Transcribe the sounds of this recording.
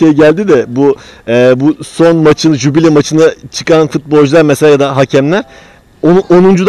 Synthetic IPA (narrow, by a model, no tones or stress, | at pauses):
ejiɟælʲd̪id̪ɛbuɛːbuso̞nmat͡ʃʰɯnʒubilʲɛmat͡ʃʰɯnat͡ʃʰɯ̥kanfut̪̚bolʲˠd͡ʒlˠaɾmeselʲaːjad̪aɦacʰæmlʲæɾ̥ | oʔonund͡ʒud̪